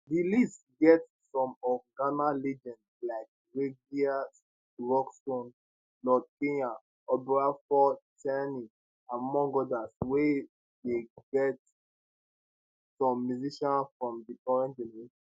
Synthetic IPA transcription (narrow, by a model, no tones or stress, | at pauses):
dilist | ɡɛt | sɔ̃mɔɡanalid͡ʒɔ̃n | laɪk̚ | ɹeɡias | ɹɔkstõn | lɔd̚kẽja | ɔpɛɹafɔtʰɛni | ãnmɔ̃ŋɡɔdaswe | deɡɛt | sɔ̃mːjuziʃɔ̃nfɹɔ̃mdikɔɹɛ̃ndilis